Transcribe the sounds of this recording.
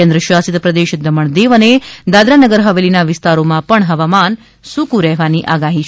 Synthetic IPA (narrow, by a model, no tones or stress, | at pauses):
ẽnd̪ɾəʃasit̪pɾəd̪eʃd̪əməɳ̃d̪eʋəned̪ad̪ɾanəɡəɾɦəʋelinaʋɪst̪aɾomãpəɳɦəʋaman | sukuɾɛɦʋaniʔaɡaɦit͡ʃʰ